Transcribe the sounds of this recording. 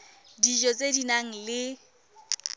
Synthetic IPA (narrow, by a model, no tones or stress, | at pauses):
did͡ʒɔt͡sʼedinaŋ̩lɪ